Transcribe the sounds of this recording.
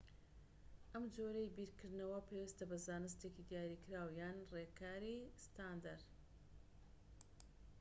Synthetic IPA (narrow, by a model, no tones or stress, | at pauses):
ʔɐmd͡ʒoːɾejbiːɾkɨɾd̪nɐwɐpʰewist̪ɐbɐzaːnɨst̪eːkid̪ijaːɾikɨɾaːwjaːnrekaːɾist̪aːnd̪aɾ